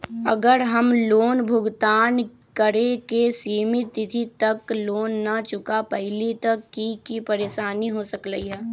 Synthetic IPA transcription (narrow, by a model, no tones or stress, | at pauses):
ɐ̰ɡəɾɦɐmloːnbʱʊɡt̪aːn | kəɾekesiːmit̪ːɪt̪ʰit̪ɐkloːnːɐt͡ʃʊkapɐɦɪlit̪ɐkːikipɐɾeːʃaːniɦosəkləiɦɛː